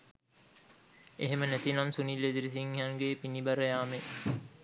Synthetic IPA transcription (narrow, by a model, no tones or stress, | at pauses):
eɦemənæt̪inamsunilːed̪iɾis̬iŋjaŋɡeːpinibaɾəjaːme